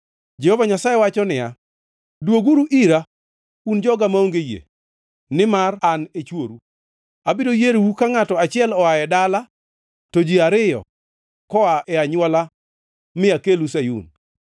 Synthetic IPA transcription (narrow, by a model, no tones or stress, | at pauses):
d͡ʒɛhovaɲasajɛwat͡ʃɔnɪja̰ | dwoɡuɾuʔiɾa | und͡ʒɔɡamaoŋɡejḛ | nɪmaranet͡ʃwoɾu | abidojeɾwukaŋatɔat͡ʃɪɛlɔajɛdala | tod͡ʒiaɾɪjɔ̰ | kɔaʔɛaɲwɔla | mɪakelusajṵn